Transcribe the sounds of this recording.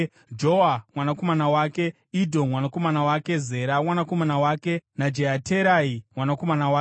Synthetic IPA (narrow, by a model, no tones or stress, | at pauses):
d͡ʒowamwanako̞manawaːke̞ | idʱonmwanako̞manawake̞ze̞ɾamwanako̞manawaːke̞nad͡ʒeɦatʰeɾaimwanako̞manawaː